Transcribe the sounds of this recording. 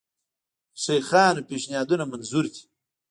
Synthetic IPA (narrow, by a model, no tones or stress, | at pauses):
ʂejxɑːnopeːʃnijaːd̪unamɐnzuɾt̪ʰi̥